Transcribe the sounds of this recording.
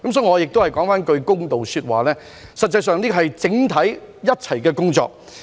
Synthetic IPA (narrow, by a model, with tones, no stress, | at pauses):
kɐ˨˦msɔː˨˧˥jŋɔ˨˧jɪ˨k̚t̪whɐ˨˩jkɔː˨˥ŋfaː˥nkɵ˧ɥkʊ˥ŋt̪o˨wsyː˧t̚wa̰ː˨˩lɛː˥ | sɐ˨t̚t͡sɐ˧jsœː˨ŋniː˥kɦɐ˨jt͡sɪ˨˥ŋt̪ʰɐ˨˥jːɐ˥t̚t͡sʰɐ˨˩jkɛː˧kʊ˥ŋt͡sɔ̰ː˧k̚